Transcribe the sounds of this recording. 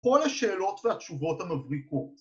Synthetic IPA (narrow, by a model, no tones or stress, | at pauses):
o̞lhaʃe̞ːlo̞tvehatʃuvo̞thamavʁiko̞t